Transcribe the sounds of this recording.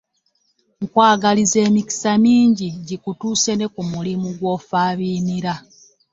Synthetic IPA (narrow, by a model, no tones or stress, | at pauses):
ŋkwaːɡalize̞ːmiki̥samiːɲɟiɟikutuːse̞ne̞kumulimuɡwo̞faːβiːniɾa